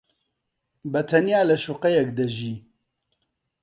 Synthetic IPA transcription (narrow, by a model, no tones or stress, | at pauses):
bɐt̪ʰɐnijaːlɐʃuqɐjɛkd̪ɐʒiː